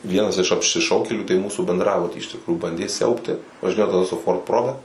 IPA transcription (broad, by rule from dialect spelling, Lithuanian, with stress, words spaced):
ˈʋʲiɛnɐs ɪʃ ɐpʲʃʲɪˈʃɐʊkʲeːlʲuː tɐɪ ˈmuːsuː bʲɛndˈrɑːbʊtʲiː ɪʃ tʲɪkˈruːjuː ˈbɐnʲdʲeː ˈsʲɛʊpʲtʲɪ ʋɐʒʲɪˈnʲeːjoː ɡɐlˠ sʊ ˈfoːrt ˈproːbʲɛ